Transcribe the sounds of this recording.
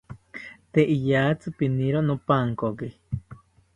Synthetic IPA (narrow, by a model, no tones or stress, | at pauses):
t̪eʔijat͡sɨpiniɾonopaŋkoki